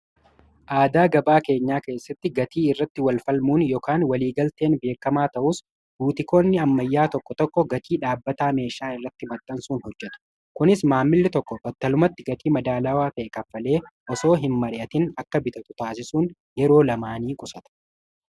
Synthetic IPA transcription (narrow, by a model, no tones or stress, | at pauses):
ʔaːd̪aːɡɐbaːke̞ːɲːaːke̞ːsːɐt̪ːɪɡɐt̪iːɪrːɐt̪ːɪwɐlfɐlmuːnjɔkaːnwɐliːɡɐlt̪e̞ːnbe̞ːkːɐmaːt̪ɐʔʊs | buːt̪ɪko̞ːnːɪɐmːɐjːaːt̪ɔkːɔt̪ɔkːɔɡɐt̪iːᶑaːbːɐt̪aːme̞ːʃaːɪrːɐt̪ːɪmɐt̪ʼːɐnsuːnhɔd͡ʒːɛt̪ʊ̥ | kʊnɪsmaːmːɪlːɪt̪ɔkːɔbɔt̪ːɐlʊmɐt̪ːɪɡɐt̪ʰiːmɐd̪aːlɐwaːt̪ɐʔɛkɐfːɐle̞ːʔɔso̞ːɦɪnmɐɾɪʔɐt̪ɪnɐkːɐbɪt̪ɐt̪ʊt̪aːsɪsuːn | jɛɾo̞ːlɐmaːniːkʼʊsɐt̪ɐ̥